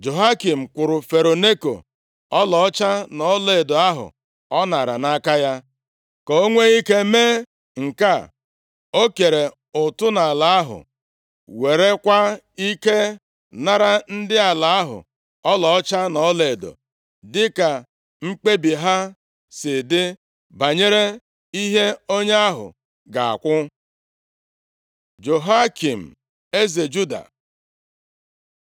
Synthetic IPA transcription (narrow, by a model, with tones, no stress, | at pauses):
d͡ʒo˨ɦa˦ki˨m̩˨kʷʊ˨ɾʊ˨fe˨ɾo˨ne˦ko̰˨ | ɔ˦lɔ˨ɔ˦t͡ʃa˦nɔ˨˦le˨do˨a˦ɦʊ̰˨ | ɔ˦na˨ɾa̰˨na˦ka˦ja˦ | kɔ˨o˦ŋʷe˦i˦ke˦me˦ | ŋ̩˨ka˦˨ | o˦ke˨ɾe˨ | ʊ˨tʊ˦na˨la˨˦ɦʊ̰˨ | we˨ɾe˦kʷa˦ | i˦ke˦ | na˦ɾa˦n̩˦dɪ˦a˨la˨˦a˦ɦʊ̰˨ | ɔ˦lɔ˨ɔ˦t͡ʃa˦nɔ˨˦le˨do̰˨ | dɪ˦ka˨ | ŋ͡m̩˦k͡pe˦bi˨ɦa˦ | sɪ˨dɪ˦ | ba˨ɲe˦ɾe˦ | i˦ɦe˦o˦ɲ˦a˦ɦʊ̰˨ | ɡa˨a̰˨kʷʊ˦ | d͡ʒo˨ɦa˦ki˨m̩˨ | e˦ze˨d͡ʒu˦da̰˨